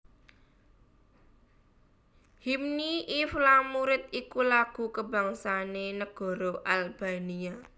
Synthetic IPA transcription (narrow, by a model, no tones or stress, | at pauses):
himniiflamuɾɪt̪̚ikulaɡ̥ṳkəba̤ŋsanenəɡ̥ɔ̤ɾoʔalb̥a̤nia